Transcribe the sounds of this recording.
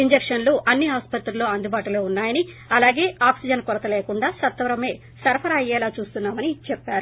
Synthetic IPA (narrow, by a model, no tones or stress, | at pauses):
iɲd͡ʒekʂɐnluʔɐnːiaːspɐt̪ɾuloːɐnd̪ubaːʈuloːunːaːjɐni | ɐlaːɡe̞ːaːpsid͡ʒɐnkɔɾɐt̪ɐleːkuɳɖaːsɐt̪ːʋɐɾɐme̞ː | sɐɾɐpʰɐɾaɐjɛːlaːt͡ʃuːst̪unːaːmɐnit͡ʃɛpːaːɾu